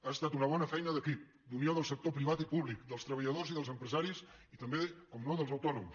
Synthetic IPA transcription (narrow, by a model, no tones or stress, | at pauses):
ast̪at̪unəβ̞ɔnəfɛjnəðəkip | d̪unjoðəlˠsək̚t̪opɾiβ̞at̪ipuβlikd̪əlˠst̪ɾəβəʎəðoziðəlˠzəmpɾəzaɾisit̪əmbekɔmnoðəlˠzəwt̪ɔnums